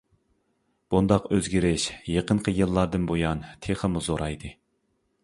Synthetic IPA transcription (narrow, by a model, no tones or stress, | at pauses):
b̥und̪ɑqøzɡʲiɾɪʃjeqənqʰəjɨlˠːɑɾd̪ɨnbojɑnt̪ʰeχəmuzoɾɑjd̪ɨ